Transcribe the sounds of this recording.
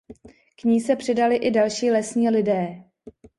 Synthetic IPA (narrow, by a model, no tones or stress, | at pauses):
kɲiːsɛpr̥ɪdalɪʔɪdalʃiːlɛsɲiːlɪdɛː